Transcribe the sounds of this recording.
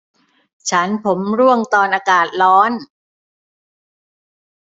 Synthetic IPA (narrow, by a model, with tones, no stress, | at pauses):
t͡ɕʰa˦˥npʰo˩˦mɾu˥˩əŋt̪ɔː˧nʔaː˧kaː˨˩t̪̚lɔː˦˥n